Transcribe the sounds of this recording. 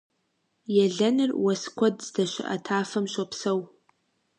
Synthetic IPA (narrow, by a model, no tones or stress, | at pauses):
jaɮanɨrwaskʷʰadzdaʃʷa̰ʔa̰tʰaːfɨmʃʷapʰsow